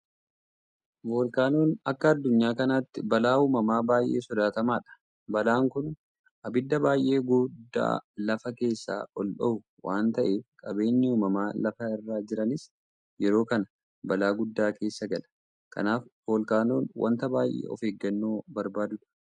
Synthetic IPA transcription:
bo̞ːlkaːno̞ːnɐkːɐːd̪ːʊɲːaːkɐnaːt̪ːɪbɐlaːuːmɐmaːbaːjʔe̞̰ːsɔd̪aːt̪ɐmaːᶑɐ̥ | bɐlaːŋkʊn | ʔɐbɪd̪ːɐbaːjʔe̞ːɡʊd̪ːa̰ːlɐfɐke̞ːsːa̰ːʔɔlɗɔʊ | waːnt̪ɐʔeːkʼɐbe̞ːɲːɪuːmɐmaːlɐfɐɪrːaːd͡ʒɪɾɐnɪs | jɛɾo̞ːkɐnɐ | bɐlaːɡʊd̪ːaːke̞ːsːɐɡɐlɐ̥ | kʰɐ̰naːfvo̞ːlkaːno̞ːnwʔɐ̰nt̪ɐbaːjʔḛːɔ̰feːɡːɐnːo̞ːbɐɾbaːd̪ʊᶑɐ̥

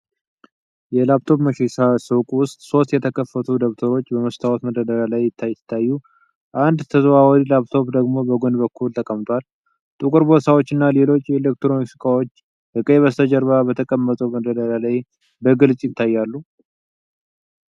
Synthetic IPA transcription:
jɛlapt̪ʰo̞pməʃesasɨwkʼwʊst̪ʼso̞st̪jɛt̪ʰəkʰəfːət̪ʰud̪əβt̪ʰəɾo̞t͡ʃːbəməst̪ʰawɔt̪məd̪əd̪əɾalajːɪt̪ʰːajɪt̪ʰːajːu | ʔand̪t̪ʰəzβawɔlaβt̪ʰo̞βd̪əɡmo̞bəɡonbəkʰːult̪ʼəkʼəmt̪ʰʼwal | t̪ʼukʼɨɾbo̞sʰawot͡ʃːɨnːale̞lo̞t͡ʃːjɛelek̚t̪ɾomiksikʼawo̞t͡ʃː | hɨkʼeβəst̪ʰəd͡ʒəɾβabət̪ʰəkʼəmːət̪ʼəwməd̪əd̪əɾalaj | bəɡɨlsʼjɪt̪ʰːajːalːu

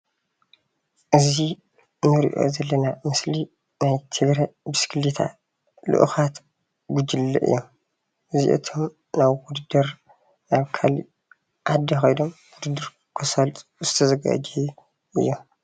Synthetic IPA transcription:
ʔɨzi | nɨɾḭʔo̞̰zɐlːɐnamɨsli | najt̪ʰɨɡɾɐbɨskʰɨlit̪ʰa̰ | lɨ̰ʔṵxat̪ | ɡud͡ʒɨlːɐ̰ʔɨ̰jːom | ʔɨzḭʔɨ̰t̪ʰo̞m | naβwud̪ɨd̪ɐɾ | naβkʰalḭ | ʔad̪ːixojdo̞mwʊd̪ɨd̪ɨɾ | kʰɨsɐlt̪ʼuzɨt̪ʰɐzɐɡa̰d͡ʒɛj | ʔɨ̰jːom

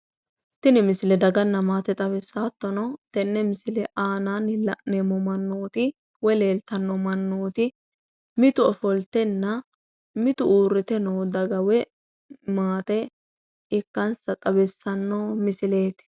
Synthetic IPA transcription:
t̪ɪnɪmɪsɪlɛd̪ɐɡɐnːɐmaːt̪ɛt̪ʼɐβɛsːaːt̪ːɔnɔt̪ɛnːɛmɪsɪlɛʔaːnanɪlɐnɛmɔmɐnːoːt̪ɪ | wɛle̞ːlt̪ɐnːɔmɐnːoːt̪ɪ | mɪt̪ʊɔfɔlt̪ɛnːɐ | mɪt̪ʊuːɾːɪt̪ɛnoːd̪ɐɡɐwɛ | maːt̪ɛ | ɪkːɐnsɐt̪ʼɐbɛsːɐnːomɪsɪle̞ːt̪

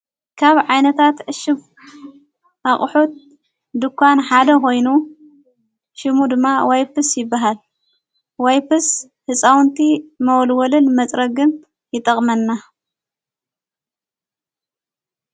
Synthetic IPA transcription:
kʰaβʕajnɐt̪ʰat̪ʕɨʃɨm | ʔaχʼħut̪̚ | d̪ɨkʷːanħad̪ɐkʰo̞jnu | ʃɨmud̪ɨmːawajpɨsjɪbːaɦal | wajpɨs | hɨsʼawnt̪ʰimɐwɔlwɔlɨnmɐt͡sʼɾɐɡɨn | jɪt̪ʼɐkʼmɐnːa

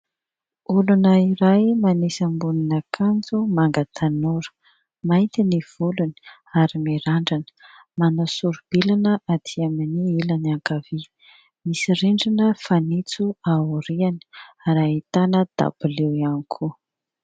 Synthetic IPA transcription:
ulunəiɾajmanesambuninəkʰand͡zumaŋɡat̪ʰanoɾə̥ | majnt̪iniv̥uluni̥ | aɾimiɾaɳɖ͡ʐanə̥ | manasuɾub̥ilanəat̪ʰiaminiilaniaŋkavi | misiriɳɖ͡ʐinəfanit͡suauɾiani̥aɾait̪anəd̪̥a̰b̥ulewianikʰu

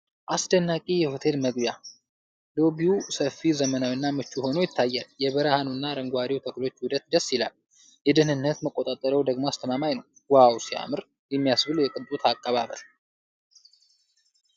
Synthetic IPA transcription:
ʔasd̪ənːakʼijɛho̞t̪ʰe̞lməɡbja | d̪o̞bijusəfːizəmənawinːamɨt͡ʃːuho̞nojɪt̪ʰːajːaljɛβəɾahanunːaɾəŋɡʷaɾiwt̪ʰəklo̞t͡ʃːwʊd̪ət̪d̪əsːilal | jɛd̪ənɨnːət̪məkʼːo̞t̪ʼat̪ʼːəɾəwd̪əɡmoast̪ʰəmamajnəw | wawsia̰mɨɾ | jɛmːijasbɨljɛkʼɨnt̪ʼut̪ʰakʼːəβaβə̰l

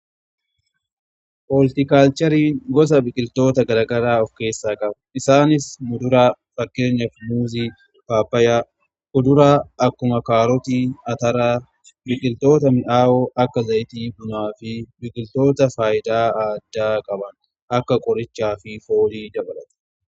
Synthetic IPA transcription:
polɪt̪ɪkaːlt͡ʃɐɾiːŋɡɔs̬ɐbɪkʼɪlt̪o̞ːt̪ɐɡɐɾɐɡɐɾaːɔfke̞ːsːaːkʼɐb | ɪsaːnɪsmʊd̪ʊɾaː | fɐkːe̞ːɲːɐfmuːziː | baːpːɐjaː | ʔʊd̪ʊɾaːʔɐkːʊmɐkaːɾɔt̪iːɐt̪ɐɾaː | bɪkʼɪlt̪o̞ːt̪ɐmɪʔaːwɔʔɐkːɐzɐjɪt̪iːbʊnaːfɪbɪkʼɪlt̪o̞ːt̪ɐfaːjɪd̪aːaːd̪ːaːkʼɐbɐn | ʔɐkːɐkʼɔɾɪt͡ʃːaːfɪfo̞ːliːd̪ɐbɐlɐt̪ɐ̥

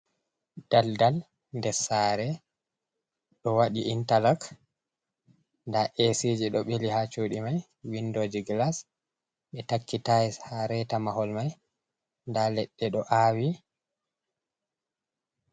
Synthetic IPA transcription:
d̥aldal | ndɛɾsaɾɛ | ɗɔwaɗiʔintalak | ndaʔesid͡ʒiɗɔɓelihat͡ʃoɗimaj | windoːd͡ʒiɡlas | ɓɛtakːitaɛhaɾɛtamahɔlmaj | ndalɛɗːɛɗɔʔaːwi

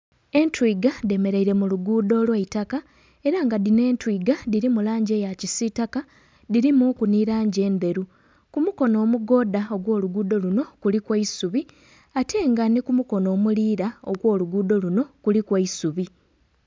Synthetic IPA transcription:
e̞ntwɾiɡade̞me̞ɾe̞iɾe̞muluɡuːdo̞ːlweitaka | e̞ɾaŋɡadine̞ːntwiːɡadiɾimulaːɲɟe̞ːjacisitaka | diɾimukuniɾaːɲɟe̞ːnbe̞ɾu | kumuko̞no̞ːmuɡo̞ːdao̞ɡwo̞ːluɡuːdo̞luno̞kulikweisuβi | atʰe̞ːŋɡanikumuko̞no̞ːmuliːɾao̞̰ɡwo̞ːluɡuːdo̞luno̞kulikwaisuβi

